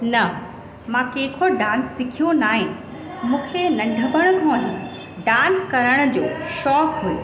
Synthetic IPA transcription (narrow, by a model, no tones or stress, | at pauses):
nɐ | mãkeːkʰoɖãːnsːɪkʰijonaːɦɪnɪ̆ | mũːkʰenɐɖʱəʋəɽ̃ʊkʰõːɐɦɪ̃ | ɖãːnskɐɾəɽ̃ʊ̆d͡ʑoːʃɔːkɦujo